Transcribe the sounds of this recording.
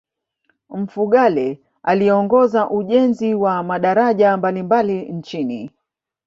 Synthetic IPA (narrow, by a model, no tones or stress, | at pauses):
m̩fuɠalɛ | aliɔŋɡɔzaʔuʄɛnziwamaɗaɾaʄambalimbalin̩t͡ʃini